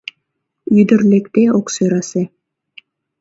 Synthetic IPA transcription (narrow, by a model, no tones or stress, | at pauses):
yd̪ɘ̆ɾlekt̪eoksøjɾɑse